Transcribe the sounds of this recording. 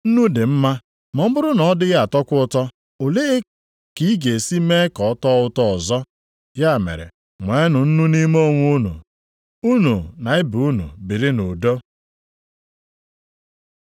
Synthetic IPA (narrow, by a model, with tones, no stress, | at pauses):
n̩˦nu˦dɪ˨m̩˦ma˦ | mɔ˨m̩˦bʊ˦ɾʊ˦nɔ˨ɔ˦dɪ˦ɣa˦a˨tɔ˦kʷʊ˦ʊ˦tɔ˦ | o˨le˦e˦ | ki˨˦i˦ɡe˨si˦me˦kɔ˨˦tɔ˦ʊ˦tɔ˦ɔ˨zɔ˦ | ja˦˨mḛ˨ɾḛ˨ | ŋʷe˨˦nʊ˨n̩˦nu˦ni˦mo˦˨ŋʷu˦nṵ˨ | u˦nu˨na˨ɪ˦bu˨u˦nṵ˨bi˨ɾɪ˦nu˨do˦